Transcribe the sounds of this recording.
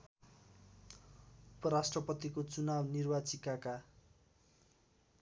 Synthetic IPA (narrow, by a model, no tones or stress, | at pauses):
upʌɾasʈrʌpʌt̪ikot͡sunabnirbat͡sikaka